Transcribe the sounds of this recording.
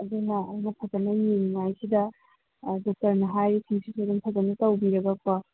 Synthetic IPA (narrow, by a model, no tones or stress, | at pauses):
ɐdunɐːjnɐpʰɐzɐnɐjeniŋajsidɐ | dok̚tɐɾnɐɦajɾikʰiŋsitʰoduŋpʰɐzɐnɐtɐwbiɾɐɡɐk̚pɐ